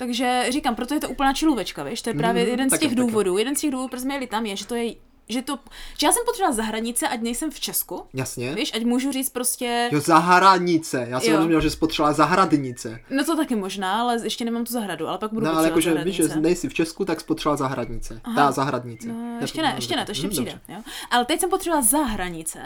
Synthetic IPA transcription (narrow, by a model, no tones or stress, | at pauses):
t̪aɡʒɛriːkampɾo̞t̪ojɛt̪oʔuːpl̩naːt͡ʃɪluvɛt͡ʃkavɛʃt̪ojɛpɾaːvjɛjɛdɛnsɛɣduːvo̞duːjɛdɛnscɛɣduːvduːpɾozmɛjɛlɪt̪amjɛʒɛt̪ojɛ | ʒɛt̪oʒ̥ɛjaːsɛmpot̪r̥ɛlazaɦɾadɲɪt͡sɛʔacnɛjsɛmft͡ʃɛskujasɲɛviːʃʔacmuːʒuriːt͡st̪̚pɾo̞scɛjozaɦɾaɲɪt͡sɛjaːsɛɾozumɲɛlʒɛspot̪r̥ɛlazaɦɾadɲɪt͡sɛnot̪ot̪akɪmoʒnaːalɛjɛʃcɛnɛmamt̪uzaɦɾadua̰lɛpakɡ̚buduoallɛjakoʒɛviʒɛnɛjsɪft͡ʃɛskut̪akspot̪r̥ɛlazaɦɾadɲɪt͡sɛʔaɦazaɦɾadɲɪt͡sɛʃɛnɛʔɛʃcɛnɛt̪oɛʃcɛpriːdɛɛjoʔalɛt̪ɛcsɛmpot̪r̥ɛbvazaɦɾaɲɪt͡sɛ̰